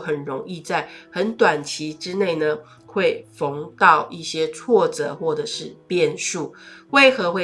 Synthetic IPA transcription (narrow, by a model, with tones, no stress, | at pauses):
xə˨˩nɻo˧˥ŋi˥˧t͡sa˥˩ɪxə˧˥nt̪wa˨˩nt͡ɕʰi˨˥ʈ͡ʂɻ̩˦ne˥˩ɪnə˩ | xwe˥˨ɪfo˧˦ŋt̪ɑ˥˧ʊʔi˥˩ɕjɛ˥t͡sʰwɔ˥˩t͡sɤ̰˨˩˦xwɔ˥˩ʈ͡ʂɤ˨˩ʂɻ̩˥˨pjɛ˥˨nʂu˥˩we˥˩ɪxɤ˧˦xwe˥˩